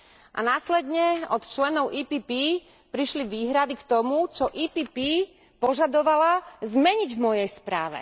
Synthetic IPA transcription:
ʔa̰naːslɛd̪ɲɛɔt̪t͡ʃlɛnɔʊʔiːpiːpi | pɾiʃliʋiːɦɾad̪ikt̪ɔmut͡ʃɔʔiːpiːpiː | pɔʒad̪ɔʋalazmɛɲiɟvmɔjɛjspɾa̰ːʋɛ̰

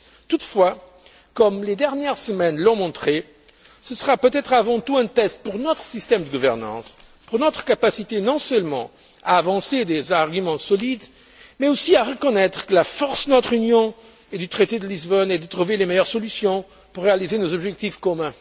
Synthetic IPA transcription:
t̪ut̪fwa | kɔmled̪ɛʁnjɛʁsəmɛnlɔ̃mɔ̃t̪χe | səsəʁapøt̪ɛt̪χavɑ̃t̪uɛ̃t̪ɛst̪̚puʁnɔt̪χəsist̪ɛmd̪əɡuvɛʁnɑ̰̃s | puʁnɔt̪χə̥kapasit̪enɔ̃sœlmɑ̰̃ | aːvɑ̃sed̪ezaʁɡymɑ̃sɔlid̪ | mɛosiaʁəkɔnɛt̪χə̥kəlafɔʁsd̪ənɔt̪χynjɔ̃ | ed̪yt̪χet̪ed̪əlizbɔnɛd̪ət̪χuvelemejœʁsɔlysjɔ̃ | puʁːealizenozɔbʒɛk̚t̪ifkɔmɛ̃

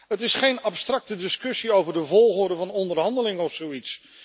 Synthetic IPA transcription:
ɦətɪsχejnɑpstrɑk̚tədɪskɵsiowvəɹdəvɔlˠχʊːɹdəvɑnɔndərɦɑndəlɪŋɔfsowits

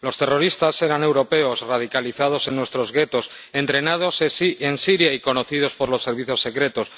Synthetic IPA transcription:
lo̞st̪e̞ro̞ɾist̪ase̞ɾane̞wɾo̞pe̞osrað̞ikaliθað̞o̞se̞nːwe̞st̪ɾozɣe̞t̪o̞s | e̞nt̪ɾe̞nað̞o̞sesiensiɾjaiko̞no̞θið̞o̞spo̞ɾlo̞sːe̞ɾβiθjo̞sːe̞kɾe̞t̪o̞s

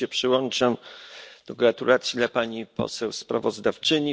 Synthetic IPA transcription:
ɛpʂɘwɔnt͡ʂamd̪̥ɔɡɾat̪ulat̪sʲjid̪lapaɲipɔ̰sɛwspɾa̰vɔzd̪aft͡ʂɘɲi

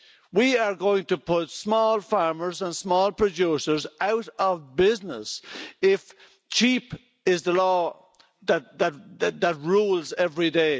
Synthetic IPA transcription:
wiə˞ɡoʊɪ̃ŋtəpʰʊtsmɔlˠfaɹmə˞zə̃nsmɔlˠpʰɹ̥ɨd͡ʒusə˞zʔaʊɾəvbɪznə̰sɪf | t͡ʃʰip | ɪzðəlɔː | ðət̚ðɨt̚ðət̚ɹuːlˠzɛvɹideɪ

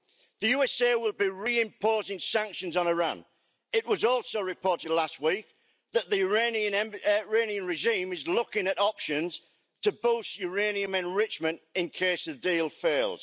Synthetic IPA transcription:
ðəjʉːɛseɪwɪlˠbiɹiːɪ̃mpʰoːzɪ̃ŋsãŋkʃə̃nzn̩ɪɹã̰n | ɪʔwɒzɔˑlˠsoʊɹɪpʰɔˑtɪdˡlast̚wiˑk̚ | ðəʔðəjəɹẽɪ̃niə̃nɛ̃mɹẽɪ̃niə̃nɹɪʒĩːmɪzlʊkɪ̃ŋətɒpʃə̃nz̥ | tʰəboʊsjəɹẽɪ̃niə̃mɛ̃nɹɪt͡ʃmə̃ntɪ̃nkʰeɪsəvdiːlˠfeɪlˠd̥

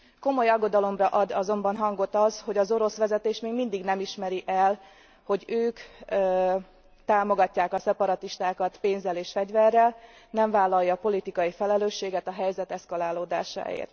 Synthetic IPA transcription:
ko̞mo̞jɒɡːo̞d̪ɒlo̞mrɒʔɒd̪ɒzo̞mbɒnɦɒŋɡo̞t̪ɒzho̞ɟɒzo̞ɾo̞sʋɛzɛt̪eːʃmeːɡmind̪iɡnɛmiʃmɛɾiʔɛl | ho̞ɟøːkː | t̪aːmo̞ɡɒcːaːkɒsɛpɒɾɒt̪iʃt̪aːkɒt̪peːnzɛleːʃfɛɟvɛrːɛl | nɛɱvaːlːɒjːɒpo̞lit̪ikɒjifɛlɛløːʃːeːɡɛt̪ɒɦɛjzɛt̪ɛskɒlaːloːd̪a̰ːʃa̰ːjḛːrt̪

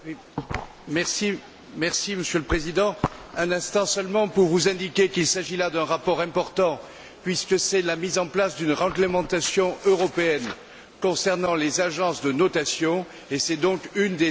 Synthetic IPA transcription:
i | mɛʁsi | mɛʁsiməsjøləpχezid̪ɑ̃ɛ̃nɛ̃st̪ɑ̃sœlmɑ̃puʁvuzɛ̃d̪ikʲekilsaʒilad̪ɛ̃ʁapɔʁɛ̃pɔʁt̪ɑ̃ | pɥiskəsɛlamizɑ̃plasd̪ynʁɑ̃ɡləmɑ̃t̪asjɔ̃ʔøʁɔpeɛn | kɔ̃sɛʁnɑ̃lezaʒɑ̃sd̪ənɔt̪asjɔ̃ | esɛd̪ɔ̃kynd̪e

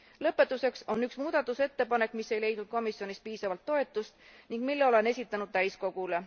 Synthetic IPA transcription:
lɤ̞pːˑe̞t̪ːˑuse̞kso̞nyksmuːd̪̥ɑt̪ːˑuse̞t̪ːe̞pɑne̞kːˑmisːe̞jle̞jd̪nud̪̥̚ko̞misjo̞nispiːsɑvɑlt̪ːo̞e̞t̪ːˑust̪niŋɡ̥milːeo̞le̞nesʲit̪ːˑɑnud̥̪̚t̪æjsko̞ɡ̥ule̞

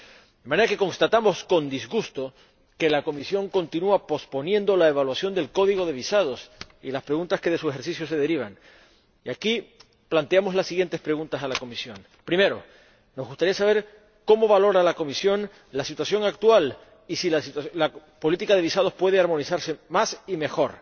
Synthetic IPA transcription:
d̪emãne̞ɾake̞konst̪at̪amo̞sko̞nd̪izɣust̪o | ke̞lako̞misjo̞ŋko̞nt̪inuapo̞spo̞njẽ̞nd̪o̞laeβ̞alwasjo̞nd̪e̞lko̞ðiɣo̞ðe̞β̞isað̞o̞sḭlaspɾeɣunt̪aske̞ð̞e̞suexe̞ɾsisjo̞s̬e̞ð̞e̞ɾiβ̞aŋ | iaki | plant̪eamo̞zlasːiɣjent̪e̞spɾe̞ɣũnt̪asalako̞misjo̞n | pɾime̞ɾo̞ | no̞zɣust̪aɾiasaβ̞e̞ɾ | ko̞mo̞βalo̞ɾalako̞misjo̞n | lasit̪wasjo̞ŋak̚t̪ual | isilasit̪la | po̞lit̪ikaðeβisað̞ospwe̞ð̞eaɾmo̞nisaɾse̞masime̞xo̞ɾ

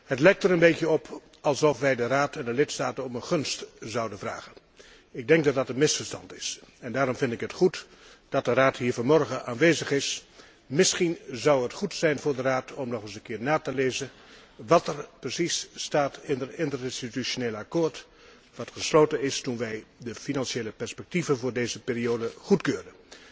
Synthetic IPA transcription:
hətlɛjk̚təɾənbejkjəɔpʰ | ɑlˠsɔfʋɛjdəraːtɛndəlɪtstaːtənɔmənχɵnstzɑwdənvra̰ːɣən | ɪɡ̚dɛŋk̚dɑt̚dɑtənmɪsfəɹstɑ̰ntɪsɛndaːɾɔmvɪndɪkɦətχut | d̥ɑt̚dəraːtɦiːɹvomɔrɹχəʔaːnʋeːzəχɪs | mɪsχinzɑwətχutsɛjnvʊːɹdəraːtʰɔmnɔχəsənkɪːɹnaːtəleːzən | ʋɑtərprəsisstaːtɪndərɪndtərɪnstityʃoneːlakoːɹt | ʋɑtχəsloːtənɪstunʋɛjdəfinɑnʃeːləpɛɹspɛk̚tivənvʊːɹdeːzəpeːrioːdəχutkøːrən

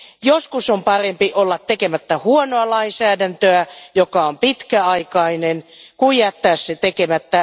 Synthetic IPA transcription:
joskusompɑrempiʔolːɑt̪ːekemæt̪ːæhuonoɑlɑinsæːdænt̪øæjokɑompit̪kæɑikɑinenkuijɑt̪ːæːsset̪ekemæt̪ːæ

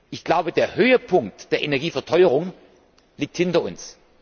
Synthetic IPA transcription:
ʔɪçɡ̥laʊbədeːɐhøːəpʰʊŋk̚td̥eːɐʔenɛɐɡiːfɛɐtʰɔʏəʁʊŋ | liːk̚thɪntɐʊ̰ns

